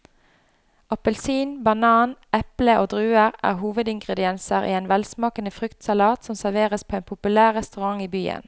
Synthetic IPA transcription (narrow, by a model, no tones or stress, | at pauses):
ɑpəlsiːnbɑnɑːnɛpləʔoːd̪ʁʉːəʁæ̰ːʁhuːʋəd̪ɪŋɡʁəd̪ɪɛnsəʁʔḭːeːnʋɛlsmɑːkənəfʁʏkt̪sɑlɑːt̪sɔmsæʁʋeːʁəspʰoːeːnpʰʊpʉlæːʁʁɛst̪ʉʁɑŋiːbyːə̰n